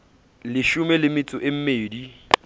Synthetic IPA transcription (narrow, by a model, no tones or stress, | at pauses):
lɪʃʊmɛlɪmɪt͡sʼʊʔɪm̩meːdi